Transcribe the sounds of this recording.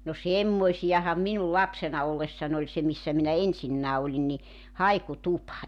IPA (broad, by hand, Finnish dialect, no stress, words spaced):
no semːoisij̆ɑhɑm minul lɑpsenɑ olːesːɑn olʲ se misːæ minæ esinːæː olʲin ni hɑikutupɑ